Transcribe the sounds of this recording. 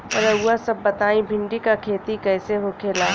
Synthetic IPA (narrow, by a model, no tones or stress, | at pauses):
ɔ̰ɾɐʊasɐbːɐt̪aːĩbʱɪ̃ɳɖikakʰeːt̪ikɛːseɦokʰeːlaː